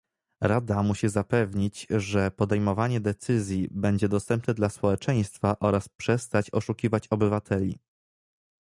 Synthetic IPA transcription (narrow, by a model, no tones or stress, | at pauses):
ɾad̪amuɕizapɛvɲit͡ɕʐɛpɔd̪ɛjmɔvaɲɛd̪ɛt̪sɘzʲjibɛɲd͡ʑɛd̪ɔst̪ɛmpnɛd̪laspɔwɛt͡ʂɛj̃st̪faʔɔɾaspʂɛst̪at͡ɕɔʂukʲivat͡ɕɔbɘvat̪ʰɛlʲḭ